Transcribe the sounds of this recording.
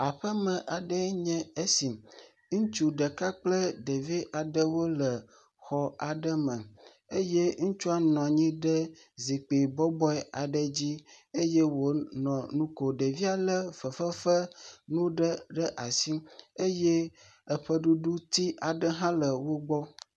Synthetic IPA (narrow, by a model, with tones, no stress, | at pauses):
a˨ɸə˦mə̃˨ʔa˨ɖə˦ɲɛ̃˦e˦si˨m | ŋ̩̃˦t͡ʃu˦ɖə˨ka˦k͡plə˦ɖe˨vi˦ʔa˨ɖə˦wo˦lə˨ | xɔ˨a˨ɖə˦mə̃˨ | e˦je˦ŋũ˦t͡ʃu˦a˦nɔ̃˨ɲĩ˦ɖə˦ | zi˨k͡pe˨bɔ˦bɔ˦ɛ˦a˨ɖə˦d͡ʑi˦e˦je˦wo˨nɔ̃˨nũ˦ko˨ɖə˨vi˦a˨lə˦fə˨fə˦fə˦nũ˦ɖə˦ɖə˦ʔa˨si˦e˦je˦ | ə˨ɸə˦ɖu˦ɖu˦t̪i˦ʔa˨ɖə˦ɦã˦lə˨wo˦ɡ͡bɔ˦